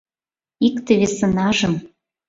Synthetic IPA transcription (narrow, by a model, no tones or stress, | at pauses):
ikt̪ĕβesɤ̆nɑʒɤ̆m